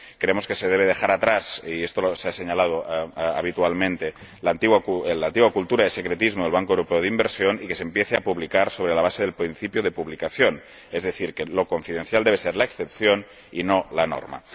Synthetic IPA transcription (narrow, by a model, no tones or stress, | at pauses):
kɾeemo̞ske̞seð̞eβ̞eð̞exaɾat̪ɾasiest̪oloseaseɲalað̞oaβ̞it̪ualmẽnt̪elant̪iɣwaklant̪iɣwakult̪uɾaðesekɾet̪izmoðelβaŋkoewɾopeoðimbeɾsjonikesempjeθeapuβlikaɾso̞β̞ɾelaβaseðelpɾinθipjoð̞e̞puβlikaθjon | ezðeθiɾkelo̞koɱfið̞enθjald̪eβeseɾlaeksθepθjon | inolano̰ɾma̰